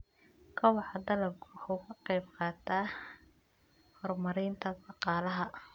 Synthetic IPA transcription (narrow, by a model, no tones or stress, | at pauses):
kʰɐwɑħɑd̪ɐlɐb̚kʰʊʊːkʰɐqɑjbqɑːt̪ʰaː | hɔrmɐɾɪːnt̪ʰɐd̪ɑqɑːlɐɦɐ